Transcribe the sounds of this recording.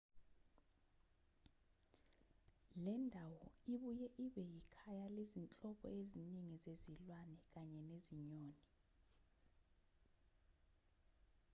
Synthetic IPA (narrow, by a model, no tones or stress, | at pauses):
lɛndʱawɔiɓujɛʔiɓɛjikʰajalezint͡ɬʼɔɓɔ̰eziniŋizezilwanɛk̬aɲɛneziɲoːni